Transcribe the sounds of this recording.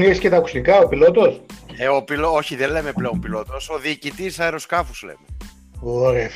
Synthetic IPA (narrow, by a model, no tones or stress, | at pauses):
niiscet̪ɐku̥st̪ikɐopilo̞t̪o̞seopilooçiðenle̞me̞ple̞ompilo̞t̪o̞so̞ðiːcit̪isɐeɾo̞skɐfuzlḛme | oɾe